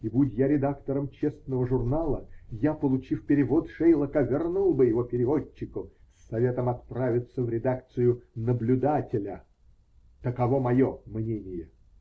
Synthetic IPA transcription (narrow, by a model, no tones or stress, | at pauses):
ibudʲjaɾʲɪd̪akt̪əɾəmt͡ɕesnəvəʐʊrnalˠəjapəlˠʊt͡ɕifpʲɪɾʲɪvot̪ʂɛjlˠəkəvʲɪrnulˠbɨjɪvopʲɪɾʲɪvot͡ɕːɪkʊsɐvʲe̞t̪əmɐt̪̚pɾavʲɪt̪səvɾʲɪd̪akt̪sɨjʊnəblʲʊd̪atʲɪlʲə | t̪əkɐvo̞mɐjomnʲenʲɪjə